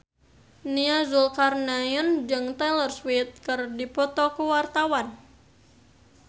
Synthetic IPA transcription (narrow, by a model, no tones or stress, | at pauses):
niazulkarnajɔnd͡ʒɨŋt̪ɛlərswit̪̚kɨrdipɔt̪ɔkuwart̪awan